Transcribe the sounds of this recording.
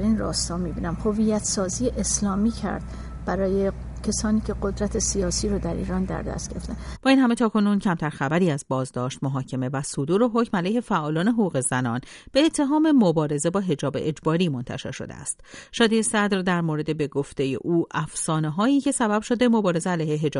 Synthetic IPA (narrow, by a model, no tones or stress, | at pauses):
æɾinɾɒ̰ːst̪ɒːmibiːnæmhoviːjæt̪sɒːzijeʔeslɒːmiːcʰæ̰ɾd̪̥ | b̥æɾɒːje | cʰesɒːniːcʰe̞ɢod̪ɾæt̪ʰesijɒːsiːɾɔd̪æɾʔḭːɾɒːnd̪æ̰ɾd̪æ̰st̪ɡ̥eɾeft̪ænb̥ɒːiːnhæme̞t̪ʰɒːkʰo̞nuncʰæmt̪ʰæɾxæbæɾiːæzbɒːzd̪ɒːʃt̪̚moɦɒːcʰe̞me̞væsod̪uːɾe̞ɦocmælæjhe̞fæʔɒːlɒːne̞ɦoɣuːɣe̞zænɒːnb̥e̞ːt̪ʰːe̞ɦɒːme̞mobɒːɾe̞ze̞bɒːɦe̞d͡ʒɒːbeʔed͡ʒbɒːɾiːmo̞nt̪ʰæ̰ʃe̞̰ɾʃo̞̰d̪ḛæ̰st̪ʃɒːd̪iːesæd̪ɾd̪æɾmoɾe̞d̪e̞be̞ɡo̞ft̪e̞je̞̰ʔuːʔæfsɒːneɦɒːiːcʰe̞sæbæb̥ʃo̞d̪e̞mo̞bɒːɾe̞zeælæjheɦe̞d͡ʒː